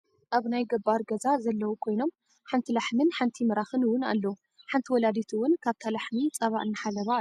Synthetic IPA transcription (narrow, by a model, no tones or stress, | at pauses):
ʔaβnajɡɐbːaɾɡɐzazɐlːɐwukʰo̞jno̞m | ħant̪ʰilaħmɨnħant̪ʰimɐɾaxɨnɨwʊna̰lːɐwu | ħant̪ʰiwɔlad̪it̪ʰuwʊnkʰaβt̪ʰalaħmit͡sʼɐβaʔɨnːɨħalɐβa